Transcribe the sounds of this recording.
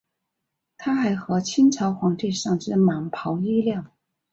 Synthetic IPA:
t̪ʰa˥xa˧˥ɪxɤ˧˥t͡ɕʰi˥nʈ͡ʂʰɑ˧˥ʊxwɑ˧˥ŋt̪i˥˧ʂɑ˥˧ŋʈ͡ʂɻ̩˥ma˨˩ŋpʰɑ˧˥ʊi˥ljɑ˥˩ŋ

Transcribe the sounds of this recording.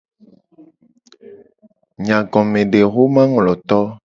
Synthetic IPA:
ɲã˨ɡɔ̃˨mẽ˨ɖe˨ɣo˦mã˦ŋlɔ˨t̪ɔ˦

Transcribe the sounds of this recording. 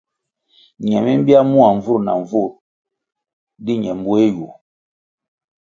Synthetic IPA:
ɲɛ˨mi˦m˦bi˦a˦mu˦a˨ɱ˨vu˦ɾna̰˨ɱ˨vu˦˨ɾ | di˦ɲɛ˨m˦bu˦e˦ju˨

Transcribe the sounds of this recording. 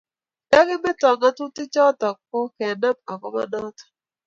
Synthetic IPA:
da˦ɡɪ˦mɛ˦tɔ˨ŋa˦tu˦tɪ˦t͡ʃɔ˦tɔ˨k̚ːɔ˦kɛ˨na˦ma˨kɔ̰˦ma̰˦nɔ˦tɔ̥˨

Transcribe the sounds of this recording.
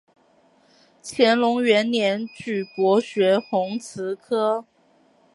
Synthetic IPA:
t͡ɕʰjɛ˧˥nlʊ˧˥ŋɥɛ˧˥nnjɛ˧˥nt͡ɕy˨˩kwɔ˧˥ɕɥɛ˧˥xʊ˧˥ŋt͡sʰɹ̩˧˥kʰɤ˥

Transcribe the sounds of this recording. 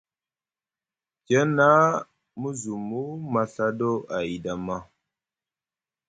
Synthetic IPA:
d͡ʒə˦na˦ | mu˦zu˨mu˦ma˨ɬa˦do˦a˨i˨da˨ma˦

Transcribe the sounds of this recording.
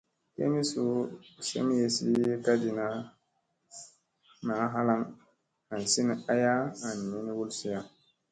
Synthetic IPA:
kḛ˦mi˦su˦sḛ˦m˦je˨sḭ˦je˦ka˦di˨na˦ | na˨˦ɦa˦la˦ŋ | a˨n˨si˦n˨a˦ja˦a˨n˨mi˦n˦wu˦lsi˦ja˨

